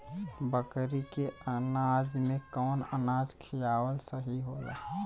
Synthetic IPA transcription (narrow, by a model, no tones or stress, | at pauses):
bəkɾikeənad͡ʒmekɔːnə̰nad͡ʒkʰijawəlsəɦiɦola̰ɦ